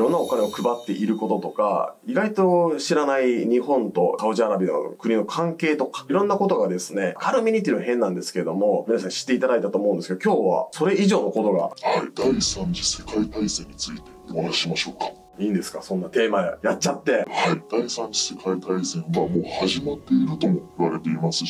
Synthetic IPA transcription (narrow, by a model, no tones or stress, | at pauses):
iɾõnːao̞kane̞o̞kɯ̟bat̪ːe̞ʔiɾɯ̟ko̞t̪o̞t̪o̞ka̰iɡait̪o̞ɕiɾanaiɲ̟ihõ̞nt̪o̞̰sao̟ʑiaɾabʲid̪a̰o̰kɯ̟ɲ̟ino̞kʰãŋke̞ːt̪o̞kḁiɾõ̞nːako̞t̪o̞ɡad̪e̞sɨ̥ne̞kʰaɾɯ̟mʲiɲ̟ʲit̪ʲːiɾ̟nohẽ̞nːãnd̪e̞sɨ̥ke̞ɾe̞d̪o̞mo̞mʲinas̬ãɕi̥t̪ːe̞it̪ad̪ait̪at̪oːmoɯ̃nd̪esɨkeokʲo̞ːβa̰so̞ɾe̞iʑo̞ːno̞ko̞t̪o̞ɡa̰haid̪̥aisãɲ̟d͡ʑise̞kait̪aisẽɲ̟ːit͡sɨit̪e̞manaɕimaɕo̞ːkḁ | ĩːnd̪e̞sɨ̥kasõ̞nːat̪e̞ːmajatt͡ɕːat̪ːe̞haid̪̥aisãɲ̟d͡ʑi̥se̞kait̪aisẽ̞ɰ̃βamo̞ːhaʑimat̪ːe̞iɾɯ̟t̪o̞mo̞iβaɾe̞t̪e̞imasɨ